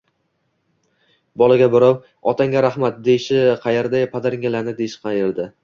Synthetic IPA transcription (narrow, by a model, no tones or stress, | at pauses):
bɒlˠaɡʲabɪɾɒw | ɒt̪ʰaŋɡʲaɾahmat̪̚d̪ejɪʃɪqʰɑjeɾd̪ajpʰad̪aɾŋʲalanɪd̪eɪʃqʰɑjɪɾd̪ɪ